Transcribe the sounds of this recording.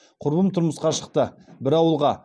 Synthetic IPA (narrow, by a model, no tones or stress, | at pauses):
qʰʊɾbəmt̪ʰʊɾməsqɑʃəqt̪ə | bɪɾɑwəlˠʁɑ